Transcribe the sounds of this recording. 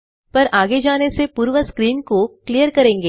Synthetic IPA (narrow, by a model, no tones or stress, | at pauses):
pɐɾaːɡed͡ʒaːnesepuːɾʋəskɾiːnkoklijəɾkɐɾẽːŋɡeː